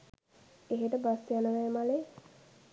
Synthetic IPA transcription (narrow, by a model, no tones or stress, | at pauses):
eɦeʈəbasijanəʋajmale